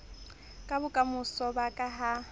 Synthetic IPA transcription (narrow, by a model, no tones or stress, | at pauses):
kʼabʊkʼamʊsɔbakʼaɦa